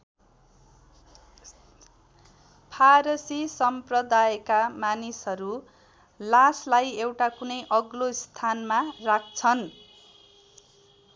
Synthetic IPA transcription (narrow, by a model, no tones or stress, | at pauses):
pʰaɾʌsisʌmprʌd̪ajkamanisɦʌɾu | laslajewʈakunʌjʔʌɡlost̪ʰanmarak̚ʰt͡sʰʌn